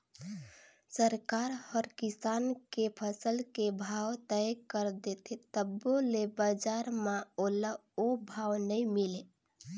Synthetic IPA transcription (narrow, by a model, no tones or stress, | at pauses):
səɾkaɾhəɾkisankepʰəsəlkebʱawt̪əjkəɾd̪et̪ʰet̪əbolebəd͡ʒaɾmãoləobʱawnəimile